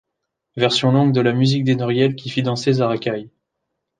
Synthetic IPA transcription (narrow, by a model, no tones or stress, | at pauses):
vɛʁsjɔ̃lɔ̃ɡ̚d̪əlamyzik̚d̪enɔʁjɛlkʲifid̪ɑ̃sezaʁakʲaj